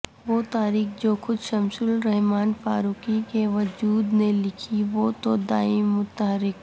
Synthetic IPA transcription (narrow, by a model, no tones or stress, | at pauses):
ʋoːt̪aːɾiːxd͡ʒoːxʊd̪ʃɐmsʊlɾɛɦmaːnfa̰ːɾuːkikeʋɐd͡ʒuːd̪nelɪkʰiʋoːt̪od̪aːɪmmːʊt̪əɦəɾɪk